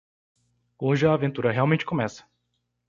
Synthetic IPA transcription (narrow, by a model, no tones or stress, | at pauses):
oʒɪɐːvẽnt̪uɾɐɦeawmẽnt͡ʃɪ̥kõmɛsɐ̥